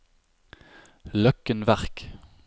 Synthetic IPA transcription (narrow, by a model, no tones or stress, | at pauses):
lœkənʋæʁk